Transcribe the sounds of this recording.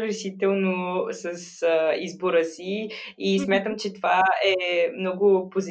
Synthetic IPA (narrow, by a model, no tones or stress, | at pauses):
ɡɾɛʃit̪ɛlˠnosəsəizboɾəsiismʲat̪əmt͡ʃɛt̪ovaɛmnɔɡʊpozi